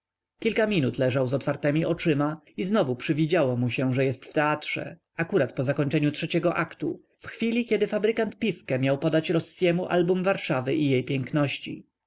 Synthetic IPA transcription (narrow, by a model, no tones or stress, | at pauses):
kʲilkamʲinut̪lɛʐawzɔt̪faɾt̪ɛmʲiʔɔt͡ʂɘma | iznɔvupʂɘvʲid͡ʑawɔmuɕɛʐɛjɛst̪ft̪ɛatʂɛ̰ | akuɾat̪pɔzakɔɲt͡ʂɛɲutʂɛt͡ɕɛɡɔʔakt̪u | fxfʲilʲikʲɛd̪ɘfabɾɘkant̪̚pʲifkɛmʲjawpɔd̪at͡ɕɾɔsːjɛmuʔa̰lbumvaɾʂavɘʔijejpʲjɛŋknɔɕt͡ɕḭ